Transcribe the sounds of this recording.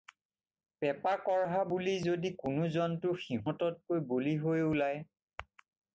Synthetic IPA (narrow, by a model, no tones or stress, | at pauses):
pɛpakɔɹɦabulizodikʊnʊzɔntʊxiɦɔ̃tɔt̚kojboliɦojulaj